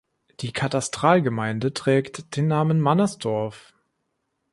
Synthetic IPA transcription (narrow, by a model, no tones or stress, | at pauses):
d̥iːkʰatastʁ̥aːlɡəmaɪndətʁ̥ɛːktd̥eːnːaːmənmanasd̥ɔɐf